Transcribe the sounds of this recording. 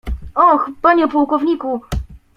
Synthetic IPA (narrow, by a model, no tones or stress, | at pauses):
ɔxbaɲɛpuwkɔvɲiku